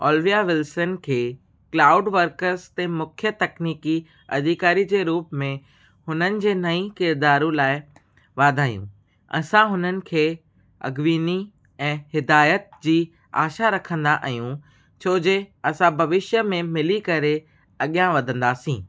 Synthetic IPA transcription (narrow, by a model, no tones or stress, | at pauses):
ɔːlʋijaʋɪlsənkʰeː | klaːʊɖʋɐɾkəɾzt̪emʊkʰjət̪ɐkniːki | ɐ̰d̪ʱikaːɾid͡ʑeːɾuːpmẽ | hʊnənɪ̆d͡ʑeːnɐĩkɪɾd̪aːɾũlaːɪ | ʋaːd̪ʱaːjṵ̃ | ɐ̰sãɦʊnənɪ̆kʰeː | ɐ̰ɡʋiːni | ɛ̃ːhɪd̪aːjət̪̚d͡ʑiː | a̰ːʃaɾɐkʰə̃nd̪aʔɐjũ | t͡ɕʰoːd͡ʑeɐsãbʱɐʋɪʃjəmẽmɪlikɐɾe | ɐɠijãʋɐd̪ʱə̃nd̪aːsḭ̃ː